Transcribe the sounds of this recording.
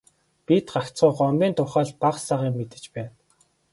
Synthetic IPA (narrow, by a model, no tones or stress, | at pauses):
pit̪ɢakt͡sɢʊːɢɔmʲiːnt̪ʰʊχaːɮpaqsaʁiːŋmet̪ɘ̥̆t͡ɕpæːn